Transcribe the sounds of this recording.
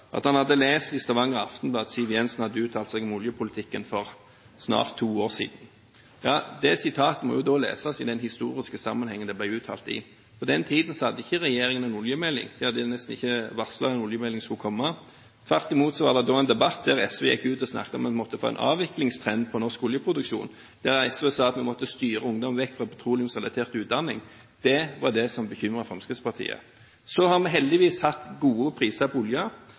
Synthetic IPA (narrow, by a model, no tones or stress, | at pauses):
ʔɑ̰t̪hɑnhɑd̪ːəleːst̪ɪst̪ɑʋɑŋːəʁɑft̪n̩blɑːd̪siʋɪɛnsnhɑd̪ːəʉːt̪ʰɑːlt̪sɛɡɔmʊljəpʰʊlɪt̪ʰɪkːənfɔʁ | snɑ̰ːʁt̪ʰːuːoːʁsḭːd̪n̩ | jɑːd̪ɛsɪt̪ʰɑːt̪əmɔ̰jʊd̪oːlḛːsɑsɪd̪ɛnhɪst̪ṵːʁɪskəsɑmːənhɛŋːənd̪ɛblæɪʉːt̪ʰɑ̰ːlt̪ɪ̰ | pʰɔd̪ɛnt̪ʰiːd̪n̩sɔhɑd̪ːəɪçːəʁɛjeːɾɪŋənɛnʊljəmɛlːɪ̰ŋd̪ɛhɑd̪ːənɛst̪n̩ɪçːəʋɑʁsəlɑɛnʊljəmɛlːɪŋskʉkʰɔmːɑ | t̪ʰʋæʁt̪ɪmuːt̪sɔʋɑ̰ːd̪ɛd̪oːɛnd̪ɛbɑt̪̚d̪æʁɛsʋɛ̰jɛ̰kːʉːt̪ɔsnɑ̰kt̪əɔmɛnmɔt̪ːəfo̰ːɛ̰nʔɑ̰ːʋɪklɪŋst̪ʰʁɛnd̪̚pʰɔnɔʁskʊljəpʰɾʊd̪ʉkʃṵːn | d̪̥æʁɛsʋesɑːɑt̪mɛmɔt̪ːəst̪yːɾəʊŋd̪ɔmʋɛkːfʁɑpʰɑt̪ʰɾuːlɪʊsʁɛlɑt̪ʰeːʁt̪ʉːd̪ɑnːɪŋ | d̪̥ɛʋɑʁd̪ɛsɔmbəçʏmʁəfʁɑmskəspɑʁt̪ʰḭːə̰ | sɔhɑʁmɛɦɛld̪ɪʋiːshɑt̪ɡuːəpʰɾiːsəpʰɔʊljə